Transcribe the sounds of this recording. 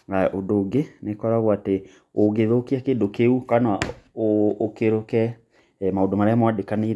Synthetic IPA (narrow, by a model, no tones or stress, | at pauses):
aʔodoːɡenekɔɾaɣoate | oɡeðoːkeakedokeukanaoːkeɾokɛ | maodomaɾɛamoadekane